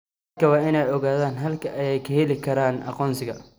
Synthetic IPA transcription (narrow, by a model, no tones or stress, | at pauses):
kʰɐwɑːɪnɛjɔɣaːðaːnɦɐlkʰɐʔɐjɛjkʰɐhɛlɪkʰɐɾaːnʔɑ̰qɔːnsɪɣɐ